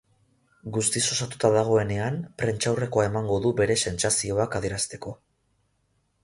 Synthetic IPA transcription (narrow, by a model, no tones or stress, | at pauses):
ɡust̪iso̞sat̪u̥t̪aðaɣ̞o̞e̞ne̞ampɾe̞nt͡ʃawre̞ko̞ae̞maŋɡo̞ðube̞ɾe̞se̞nsasio̞akaðie̞ɾast̪e̞ko̞